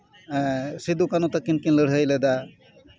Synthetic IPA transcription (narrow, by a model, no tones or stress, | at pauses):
sid̪ukanut̪akːinkinləɽ̤ɦəjlɛd̪a